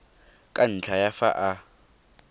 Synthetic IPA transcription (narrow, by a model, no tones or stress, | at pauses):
kʼan̩t͡ɬʰajafa̰ʔa